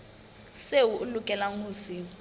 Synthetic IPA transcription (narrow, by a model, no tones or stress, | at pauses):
sewuʔulukʼɛlaŋuːsi